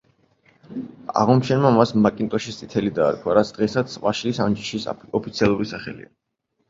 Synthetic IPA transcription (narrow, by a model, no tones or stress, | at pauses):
a̰ʁɔmʃʰɛnmamasmakʼint̪ʼɔʃist̪ʼit̪ʰɛlid̪a̰ːɾkʰwaɾat̪sʰd̪̥ʁɛsat̪sʰvaʃilisand͡ʒiʃisɔpʰit̪sʰialˠuɾisaχɛ̰lḭa̰